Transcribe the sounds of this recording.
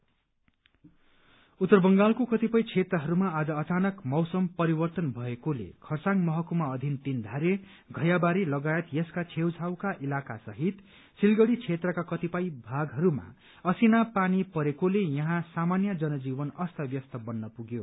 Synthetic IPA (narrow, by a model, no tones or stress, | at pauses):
ut̪ːʌrbʌŋɡalkokʌt̪ipʌjt͡sʰet̪rʌɦʌɾumaad͡zʌːt͡sanʌkmʌwsʌmpʌɾibʌrt̪ʌnbʱʌekolḛkʰʌrsaŋɡmʌɦʌkumaʌd̪ʱint̪ind̪ʱaɾe | ɡʱʌjabaɾilʌɡajet̪jʌskat͡sʰewt͡sʰawkaʔilakasʌɦit̪ | silɡʌɽit͡sʰet̪rʌkakʌt̪ipʌjbʱaɡɦʌɾuma̰ | ʌsinapanipʌɾekolejʌɦãsamanjʌd͡zʌnʌd͡zibʌnʌst̪ʰʌbjʌst̪ʌbʌnːʌpuɡjo